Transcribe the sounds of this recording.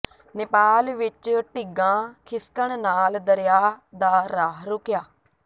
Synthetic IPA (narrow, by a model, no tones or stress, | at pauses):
nɪpaːlʋɪt͡ʃʈɪɡãːkʰɪskəɽ̃naːld̪əɾjaːd̪aːɾaːɦɾʊkjaː